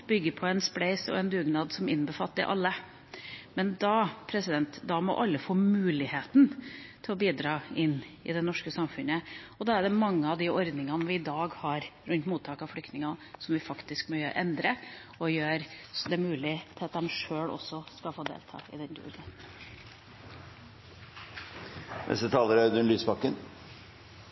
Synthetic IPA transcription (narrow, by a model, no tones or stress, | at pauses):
b̥ʏɡːəpʰɔɛnspɽæɪsɔ̰ɛnd̪ʉːɡnɑːd̪sɔmɪnbəfɑ̰lt̪ːɪ̰ʔɑ̰lːə | mɛnd̪ɑpʰɾɛsɪd̪ɛnt̪d̪ɑmɔ̰ʔɑlːəfoːmʉːlɪheːt̪nt̪ʰɪlɔbiːd̪ɾɑːɪnːɪ̰d̪ɛnɔʂkəsɑmfʉnəɔd̪ɑːæɖɛmɑŋːəɑʋd̪ɪʔɔɾd̪nɪŋɑnʋɪːd̪ɑːɡhɑɾɾʉnt̪muːt̪ʰɑːkɑʋflʏkt̪nɪŋɑsɔmʋɪfɑkt̪ɪskmɔʔɛnd̪ɾə | ɔjøːɾd̪ɛmʉːlɪt̪ʰɪlɑt̪̚d̪ɛmʂøːɭɔ̰sːɔskɑlfoːd̪ḛːlt̪ʰɑ̰ːɪ̰d̪ɛnd̪ṵːɡə | ʔɛ̰sət̪ʰɑːləɾəd̪ʉnlyːsbɑkːən